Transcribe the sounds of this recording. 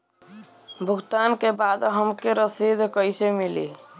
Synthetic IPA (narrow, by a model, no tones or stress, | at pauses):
bʱuɡt̪ankebad̪ɦəmkeɾəsid̪ʱkəjsemilḭ